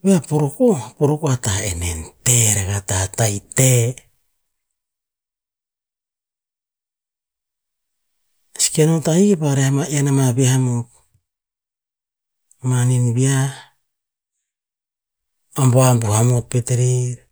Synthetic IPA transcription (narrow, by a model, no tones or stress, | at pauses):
βeapoɾokopoɾokoataḛnḛnteɾeɡatahatajte | si̥kenotaikepaɾehamaianamaβiahamok | maninβia | amboambuhamopeteɾiɾ